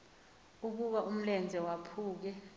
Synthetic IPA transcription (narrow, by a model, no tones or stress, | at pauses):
uk̬uɓaʔum̩lɛnd͡zʱɛwapʰuːk̬ɛ